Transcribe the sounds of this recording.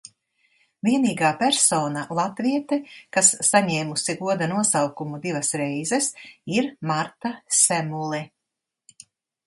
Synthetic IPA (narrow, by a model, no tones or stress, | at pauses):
vʲiɛniːɡaːpæɾsɔːnalˠat̪viɛt̪ɛkasːaɲɛːmusiɡuɔd̪anuɔsawkumud̪ivɐsɾɛjzɛsiɾmaɾt̪asɛmulˠɛ